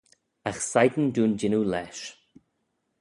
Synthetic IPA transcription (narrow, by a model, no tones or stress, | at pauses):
axsajɡənduːnd͡ʒɪnulɛːʃ